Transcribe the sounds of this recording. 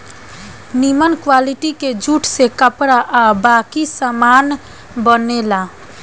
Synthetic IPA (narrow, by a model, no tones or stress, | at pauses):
nimənkwaliʈiked͡ʒuʈʰsekəpɾaʔabakisəman | bənela